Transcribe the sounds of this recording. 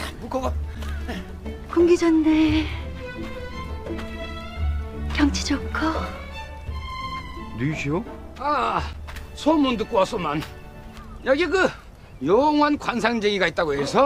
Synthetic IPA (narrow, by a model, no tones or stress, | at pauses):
mukʰoɡ | koŋɡid͡ʑʌnːe | kjʌŋt͡ɕʰi̥d͡ʑʌkʰʌ | diɕʰio | a | sʰomundɯk͈oas͈ʰoman | jʌɡiɡɯ | joŋwankwans̬ʰaŋd͡ʑeɡiɡait̚t͈aɡoɦe̞sʰʌ